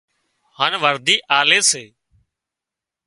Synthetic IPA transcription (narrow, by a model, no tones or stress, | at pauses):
haːnʋəɾd̪iːʔaːleːseː